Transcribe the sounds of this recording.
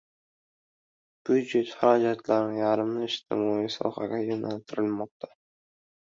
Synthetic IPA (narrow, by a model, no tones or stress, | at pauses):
b̥jud͡ʒe̞t̪haɾɒd͡ʒat̪ʰlaɾnɪjaɾɪmnɪɪʃt̪ʰɪ̰mɒisɒ̰haɡʲajonalt̪ʰɪɾɪlmɒq̚t̪ʰḁ